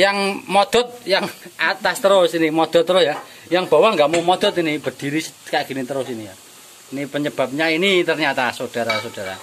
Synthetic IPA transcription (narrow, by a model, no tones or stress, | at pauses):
jaŋmɔd̪̥ɔ̤t̪̚jaŋat̪ast̪əɾʊsinimɔd̪̥ɔ̤t̪ːəɾʊsja | jaŋb̥a̤waŋɡaʔmomɔd̪̥ɔ̤t̪inib̥ə̤d̥i̤ɾiskaʔɡ̥i̤nit̪əɾʊsinija | inipəɲəb̥a̤p̚ɲainit̪ərɲat̪asod̥a̤ɾasod̥a̤ɾa̰